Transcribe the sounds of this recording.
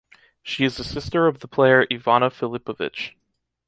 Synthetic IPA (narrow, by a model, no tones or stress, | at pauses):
ʃiɨzɨsɪstə˞ʌvðəpʰl̥eɪə˞ʔivɑñəfɪlɪpəvɪ̰t͡ʃ